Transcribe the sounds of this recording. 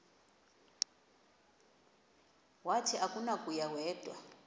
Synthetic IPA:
watʰiʔakʼunakʼujawɛːd̥ʱwa̰

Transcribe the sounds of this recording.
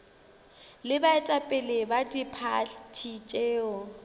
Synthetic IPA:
lɪbaɛtʼapʼɪlɪbadipʰatʰit͡ʃʼɛːɔ

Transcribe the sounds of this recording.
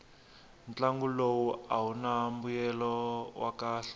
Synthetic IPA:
nt͡ɬaŋɡulowuaɦunambujɛlɔwakaːɬ

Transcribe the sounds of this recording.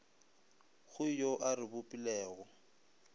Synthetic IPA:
ɣʊjoʔarɪbʊpʼilɛːɣɔ

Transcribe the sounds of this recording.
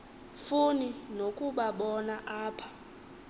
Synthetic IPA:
funinokʼuɓaɓɔnaʔaːpʰḁ

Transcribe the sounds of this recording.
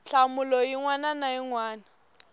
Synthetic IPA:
ɬamʊlɔjiŋwananaiŋwaːna

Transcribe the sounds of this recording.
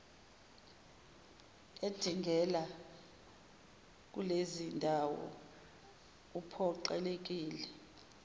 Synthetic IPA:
ed̥ʱiŋɡʱɛla | k̬ʼulezindʱawɔ̰ | upʰɔǃɛ̰lek̬ʼiːlɛ

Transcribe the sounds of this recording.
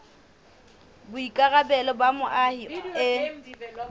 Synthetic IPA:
bʊikʼaɣabɛlɔbamʊʔahiɔɪ

